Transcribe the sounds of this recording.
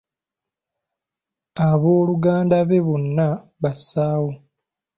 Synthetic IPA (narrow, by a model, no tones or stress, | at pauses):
aβo̞ːluɡaːndaβe̞βunːa | βasaːwo